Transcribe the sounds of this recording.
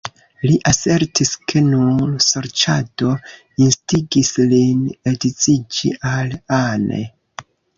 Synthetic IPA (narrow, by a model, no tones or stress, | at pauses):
liʔase̞ɾtiskʰe̞nuɾso̞ɾt͡ʃado̞ | instiɡislinedit͡sid͡ʒḭʔalanḛ